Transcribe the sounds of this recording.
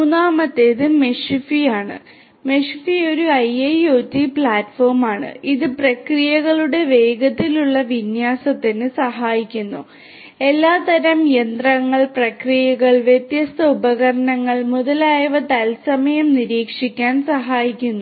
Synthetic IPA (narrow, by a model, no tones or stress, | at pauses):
munaːmɐt̪ːeðɨmeʂfijaːɳɨ̰ | me̞ʂfio̞ɾuɐjɐjoːtːipɭaːtfo̞ːrmaːɳɨ̰iðɨprɐkrijɐɣɐɭuɽe̞ʋe̞ːɡɐt̪ːiluɭːɐʋinjaːsɐt̪ːinɨsɐɦaːjikʲːunːu | e̞lːaːt̪ɐɾɐmjend̪rɐŋːɐɭprɐkrijɐɣɐɭʋjet̪jɐst̪ɐubɐɣɐɾɐɳɐŋːɐɭmuðɐlaːjɐʋɐt̪ɐlsɐmɐjɐmniɾiːkʂikʲːaːnsɐɦaːjikʲːunːu